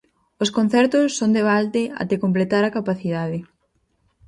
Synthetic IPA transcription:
oskon̟θɛɾt̪ʊsːond̪eβalt̪ea̰t̪ekomplet̪aɾakapaθiðaðɪ

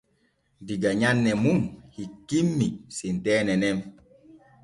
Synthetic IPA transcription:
diɡaɲanːɛmumhikːimːisintɛːnɛnɛm

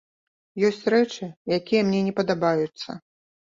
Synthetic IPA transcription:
jɔsʲt͡sʲrɛt͡ʂɨjakʲijɐmnʲɛnʲɛpɐd̪abajut̪sːɐ̰

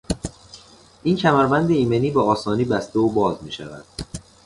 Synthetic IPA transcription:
ʔiːncʰæmæɾbænd̪eiːmeniːbeɒːsɒːniːbæst̪eobɒːzmiːʃæ̰væ̰d̪̥

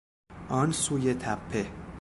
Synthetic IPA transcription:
ʔɒnsuːjet̪ʰæpʰːe

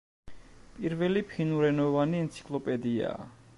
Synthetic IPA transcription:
pʼiɾvɛlipʰinuɾɛnɔvaniɛnt̪sʰi̥kʼlˠɔpʼɛd̪ia̰ː

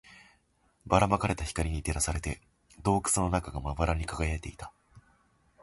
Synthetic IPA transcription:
baɾamakaɾe̞t̪açi̥kaɾʲiɲ̟it̪e̞ɾasaɾe̞t̪e̞ | d̪o̞ːkɯ̥t͡sɨno̞nakaɡamaβbaɾaɲ̟ikaɡajaet̪e̞it̪ḁ

